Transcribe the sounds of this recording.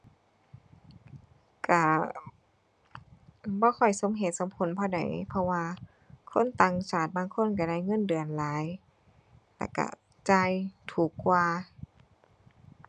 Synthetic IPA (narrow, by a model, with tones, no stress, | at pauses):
ka˧˩ | bɔː˧˦kʰɔ˧˩jso˧˦mɦe˨˦t̪̚so˨˦mpʰo˧˦˨npʰɔː˧˩da̰˨˩jpʰɔ˧waː˧ | kʰo˧˥˨nt̪aː˧˩ŋsaː˧˩t̪̚baː˧˨ŋkʰo˧˥˨nk̬a˧˩ɾa˧˩˨jŋɤ˧˥˨ndɯ˨˩ənlaː˨˦j | lɛ̰˧˩ka̰˧˩ | t͡ɕa˧jt̪ʰuː˨˩kːwaː˧